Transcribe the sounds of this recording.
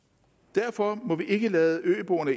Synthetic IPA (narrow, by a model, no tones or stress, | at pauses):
d̥æɐfɒ̽mɒ̽ʋiʔe̝ɡ̥əlɛːðˠəʔø̰ːb̥onæ